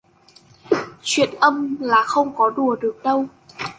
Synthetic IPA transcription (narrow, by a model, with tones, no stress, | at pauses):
t͡ɕwḭ˧˨ənʔə˧mlaː˨˩xə˧wŋ͡mkɔ˨˦ɗu˧˩əɗɨ˨˩ək̚ɗə˧w